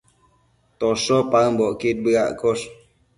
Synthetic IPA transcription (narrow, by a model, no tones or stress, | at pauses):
t̪ɔsɔpaŋmbɔʔkit̪̚bəɣa̰ʔkɔs